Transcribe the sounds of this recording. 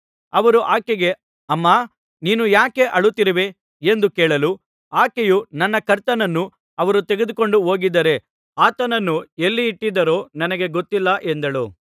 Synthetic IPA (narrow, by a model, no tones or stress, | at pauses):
ɐʋɐɾuʔaːkeɡe̞ | ɐmːaː | niːnujaːke̞ʔɐɭut̪ːiɾiʋe̞ | end̪ukɛːɭɐlu | aːkejunɐnːɐkɐɾt̪ɐnɐnːu | ɐʋɐɾut̪eɡe̞d̪uko̞ɳɖuɦo̞ːɡid̪ɐɾe̞ | aːt̪ɐnɐnːuelːiːʈːid̪ɐɾo̞ːnɐnɐɡe̞ɡot̪ːilːɐʔe̞nd̪ɐɭṵ